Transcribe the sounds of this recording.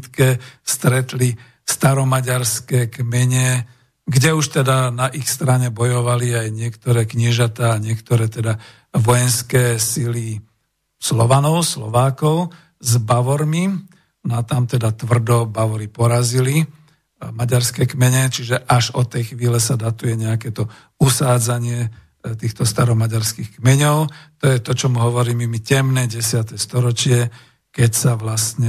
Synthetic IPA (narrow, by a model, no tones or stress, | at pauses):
t̪kɛst̪ɾɛt̪li | st̪aɾɔmaɟaɾskɛːkmɛɲɛ | ɡɟɛuʃt̪ɛd̪anaʔixst̪ɾaɲɛbɔjɔʋaliajɲɪɛkt̪ɔɾɛːkɲɪɛʒat̪aːɲɪɛkt̪ɔɾɛːt̪ɛd̪a | ʋɔjɛnskɛːsili | slɔʋanɔʊslɔ̰ʋaːkɔʊ | zbaʋɔɾmi | nɔat̪amt̪ɛd̪at̪ʋr̩d̪ɔbaʋɔɾipɔɾazili | maɟaɾskɛkmɛɲɛt͡ʃiʒɛʔaʒɔt̪ɛjxʋiːlɛsad̪at̪ujɛɲɛakɛt̪ɔ | usaːd͡zaɲɪɛ | t̪iːxt̪ɔst̪aɾɔmaɟaɾskixkmɛɲɔʊt̪ɔjɛt̪ɔt͡ʃɔmuɦɔʋɔɾiːmimicɛmnɛːɟɛsɪat̪ɛst̪ɔɾɔt͡ʃɪɛ | kɛcsaʋlast̪ɲɛ